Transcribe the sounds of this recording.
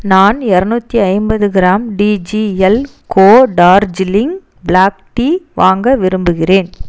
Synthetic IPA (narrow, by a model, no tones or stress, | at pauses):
naːnɛɾɐnuːt̪ːiɐɪmbɐðɯɡɪɾaːmɖiːd͡ʒiɛl | kʰoːɖaːɾd͡ʒɪlɪŋ | blaːk̚ʈiʋaːŋɡɐʋɪɾɯmbɯɣɪreːn